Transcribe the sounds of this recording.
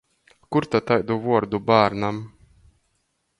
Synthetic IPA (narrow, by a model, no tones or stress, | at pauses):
kuɾt̪at̪ajd̪uvuɔɾd̪ubaːɾnam